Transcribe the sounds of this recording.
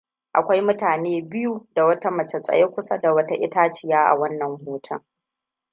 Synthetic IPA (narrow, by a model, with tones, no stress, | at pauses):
ʔa˨kʷa˦jmʊ˦taː˨neː˦bɪ˦ju˦da˨wɐ˦ta˦mɐ˨t͡ʃe˨sʼɐ̰˨je˦kʷʊ˦sa˦da˨wɐ˦ta˦ʔɪ˦taː˦t͡ʃɪ˨jaː˦ʔa̰˨wɐ˦nːɐ˨mhoː˦tʰɐ˦